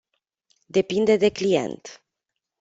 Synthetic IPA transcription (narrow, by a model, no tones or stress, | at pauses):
d̪e̞pind̪e̞d̪e̞klije̞̰nt̪